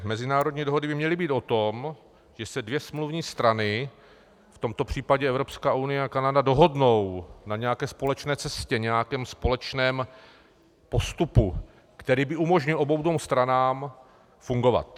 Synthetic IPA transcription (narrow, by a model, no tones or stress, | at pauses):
mɛzɪnaːɾodɲiːdo̞ɦo̞dɪbɪmɲɛlɪbiːt̪o̞t̪o̞m | ʒ̥ɛsɛdvjɛsmluvɲiːst̪ɾanɪ | ft̪o̞mt̪o̞pr̝̥iːpaɟɛɛvɾo̞pskaːʔunɪjɛakanadado̞ɦo̞dno̞wnaɲɛjakɛːspo̞lɛt͡ʃnɛːt͡sɛscɛɲɛjakɛːmspo̞lɛt͡ʃnɛːm | po̞st̪upu | kt̪ɛɾiːbɪumo̞ʒɲɪlʔo̞bowdvomst̪ɾanaːm | fuŋɡo̞va̰t̪